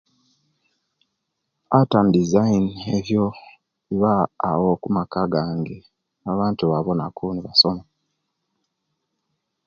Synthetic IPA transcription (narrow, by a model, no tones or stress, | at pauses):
atandizaineβjo̞ | iβaːwokumakaɡaːŋɡe̞ | aβaːntuβaβo̞nakʰuniβaso̞mo